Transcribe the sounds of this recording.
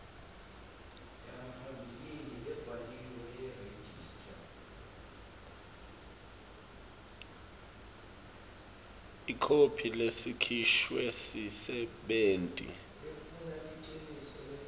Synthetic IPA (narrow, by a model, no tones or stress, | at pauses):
aapʰambʱiliniʔɛb̥ʱaliwɔjɛred͡ʒistʰʼa | ikʰopʰilesikʰiʃwesisɛɓeːntʼḭ | efunaʔiǀenisɔl